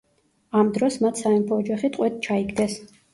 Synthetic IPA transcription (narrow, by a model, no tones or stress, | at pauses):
amd̪ɾɔsmat̪ʰsaɛmpʰɔːd͡ʒaχit̪ʼqʼwɛt̪̚t͡ʃʰaiɡd̪ɛs